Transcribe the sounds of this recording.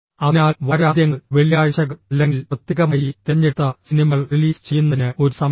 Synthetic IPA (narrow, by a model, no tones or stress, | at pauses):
ɐnaːʋaːɾaːd̪jɐŋːɐɭʋeɭijaːjɐɕɐɣɐɐlːeŋɡilpɐt̪ːjɐɣɐmɐjit̪eɲːeʈ̪ːɐsinimɐɭriliːst͡ɕe̞jːunːɐðinɨo̞ɾusɐm